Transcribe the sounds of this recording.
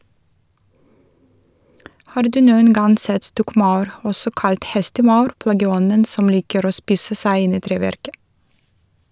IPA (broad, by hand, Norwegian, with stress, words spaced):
ˈhɑːɾ ˈdʉː ˈnuːən ˈɡɑn ˈsɛt ˈstɔkˌmɑʉɾ ˈɔsɔ ˈkɑlt ˈhɛstəˌmɑʉɾ ˈplɑːɡəˌɔnən ˈsɔm ˈliːkəɾ ˈoː ˈspiːsə ˈsæɪ ˈɪn ˈiː ˈtɾeːˌʋæɾkə